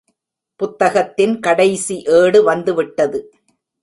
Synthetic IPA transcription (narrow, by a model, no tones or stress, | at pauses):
pʊt̪ːɐɣɐt̪ːɪnkɐɽɐɪsiʔeːɽɯʋɐnd̪ɯʋɪʈːɐðɯ